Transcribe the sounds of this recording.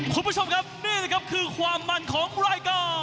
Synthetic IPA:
kʰu˧nbt͡ɕʰo˧mkʰa˦˥p̚niː˥˩lɛ˧˩kʰa˦˥p̚kʰɯː˧kʰwaː˧mːa˧nkʰɔː˩˦ŋɾaː˧jkɔː˧˩

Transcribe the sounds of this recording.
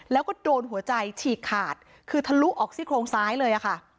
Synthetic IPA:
lɛː˦˥wkɔː˥˩doː˧nɦu˨˩˦ɐt͡ɕa˧jt͡ɕʰiː˨˩kʰːaː˨˩t̪̚ | kʰɯː˧t̪ʰa˧lu˦˥ʔɔː˨˩k̚siː˥˩kʰɾoː˧ŋsaː˦˥jlɤː˧jʔa˨˩kʰa˥˩

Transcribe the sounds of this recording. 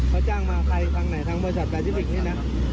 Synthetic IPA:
kʰɔ˧˩t͡ɕaː˥˩ŋmaː˧kʰa˧jfaː˧ŋna˨˩jt̪ʰaː˧˥ŋbɔː˧ɾi˧s̬a˨˩t̪̚pʰaː˧siː˦˥fi˨˩k̚niː˥˩na˦˥

